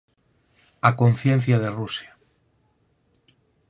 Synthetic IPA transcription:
ako̞nθjẽ̞n̟θjað̞e̞rusja

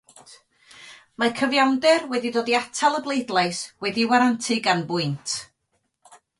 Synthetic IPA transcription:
makʰəvjawndɨrwɛdidoːdiatʰalˠəblˠejdlˠajswɛdiwaɾantʰɪɡanbʊɨntʰ

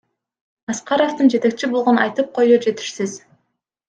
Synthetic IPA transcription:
ɑsqɑɾo̞ft̪ɯnd͡ʒe̞t̪e̞k̚t͡ʃibolˠʁonɑjt̪ɯp̚qʰo̞jud͡ʒe̞t̪i̥ʃsiz

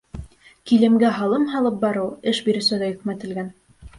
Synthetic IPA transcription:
kilɘ̆mɡæɦɑlˠɤmɦɑlˠɤp̚bɑɾɤwɘʃbiɾɘ̆sɘðæjɵ̆kmæt̪ɘ̆lɡæn

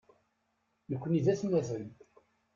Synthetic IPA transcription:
nəkʷːəniðæθnːæθən

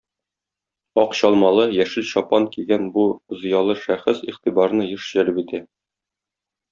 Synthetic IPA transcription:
ɒqɕɒlˠmɑlˠɤjæʃɘlɕɒpɑŋkiɡænbŭzɤ̆jɑlˠɤʃæχɘsiχt̪ibɑɾnɤjɤʃʑælɘpit̪æ

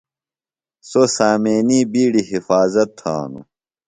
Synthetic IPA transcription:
sosaːmeːniːbiːɽiɦifaːzɐt̪ʰːa̰ːnṵ

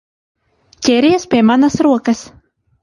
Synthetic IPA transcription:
kʲɛɾʲiɛspʲiɛmanasɾuɔkɐs

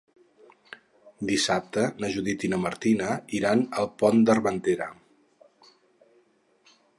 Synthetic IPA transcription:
d̪isap̚t̪ənəʒuðit̪inəməɾt̪inəiɾanəlˠpɔnd̪ərβənt̪eɾə̰

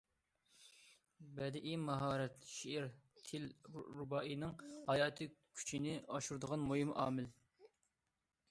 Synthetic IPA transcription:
bɛd̪ɪʔimɑɦɑːɾɛt̪ʃiʔɪɾʰɪlɾubɑʔinɨŋhɑjɑːt̪ʰɨkʲʰy̥t͡ʃʰinɪɑʃuɾɨd̪əʁɑnmojimʔɑ̰ːmɪl

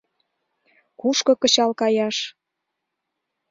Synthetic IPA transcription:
kuʃkŏkə̆t͡ɕɑlkɑjɑʃ

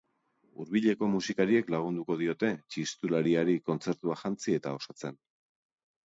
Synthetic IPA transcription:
uɾβiʎe̞ko̞musikaɾie̞klaɣ̞und̪uko̞ðio̞t̪e̞t͡ʃist̪ulaɾiaɾiko̞nt͡se̞ɾt̪uaxant͡sie̞t̪ao̞sat͡se̞n

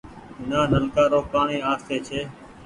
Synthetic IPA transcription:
naːnəlkaːɾoːpaːɳiːaːst̪eːt͡ʃʰeː

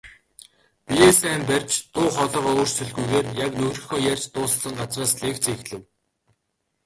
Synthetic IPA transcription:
piesæːmpærʲt͡ɕt̪ʊːχɔɮɞːʁɔʊːr̥sɵɮɣujɣeːrjaknɵɣrɵ̆xɔːjærʲt͡ɕt̪ʊːssə̆ŋɢat͡sraːsɮeːkt͡siːxɮɘ̆w

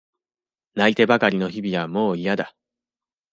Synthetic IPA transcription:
nait̪e̞bakaɾʲino̞çibʲiβamo̞ːijad̪a

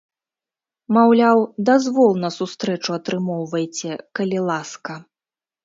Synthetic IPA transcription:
mawlʲawd̪azvɔlˠnɐsust̪ɾɛt͡ʂuɐt̪ɾɨmɔwvɐjt͡sʲɛkɐlʲilˠaskɐ

